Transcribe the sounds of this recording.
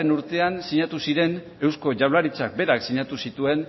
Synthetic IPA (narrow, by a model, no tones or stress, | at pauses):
enuɾt̪e̞ansiɲat̪usiɾe̞n | e̞wsko̞ʝawlaɾit͡sak̚be̞ɾaksiɲat̪usit̪ue̞n